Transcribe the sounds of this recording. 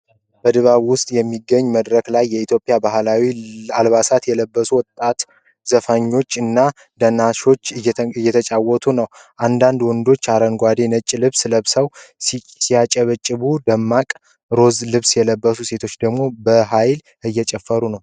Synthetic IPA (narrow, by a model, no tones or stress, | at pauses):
bəd̪ɨβaβwʊst̪ʼjɛmːiɡːəɲːməd̪ɾəklajːɛit̪ʰjo̞pʼːjabahlawialβasat̪jɛləbːəsuwɔt̪ʼːat̪ | zəfaɲːo̞t͡ʃːɨnːa | d̪ənaʃo̞t͡ʃːɨjːɛt̪ʰət͡ʃʼawːɔt̪ʰunəwʔand̪and̪wɔnd̪o̞t͡ʃːaɾənɡʷad̪e̞nət͡ʃʼːlɨβsləβsəw | sijat͡ʃʼəβət͡ʃʼːɨβud̪əmːakʼ | ɾo̞zlɨβsjɛləbːəsuse̞t̪ʰo̞t͡ʃːd̪əɡmo̞bəɦajl | ɨjːɛt͡ʃʼɛfːəɾunəw